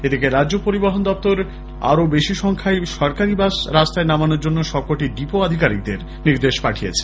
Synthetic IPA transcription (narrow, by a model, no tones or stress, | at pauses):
ed̪ikeɾaopoɾibaɦond̪ɔpt̪oɾ | a̰ɾobeʃiʃɔŋkʰaeʃɔɾkaɾibaʃɾast̪aenamanoɾd͡ʑonːoʃɔkːoʈiɖipoad̪ʱikaɾḭk̚d̪eɾ | niɾd̪eʃpaʈʰijḛt͡ɕʰe̥